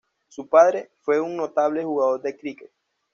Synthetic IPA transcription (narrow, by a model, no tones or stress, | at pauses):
supaðɾe̞fwe̞uŋno̞t̪aβ̞le̞xuɣaðo̞ɾd̪ekɾiket̪